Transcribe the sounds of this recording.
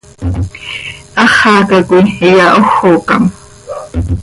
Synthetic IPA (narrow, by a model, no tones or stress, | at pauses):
ɑχɑːkakʷijaʔoxːoːkam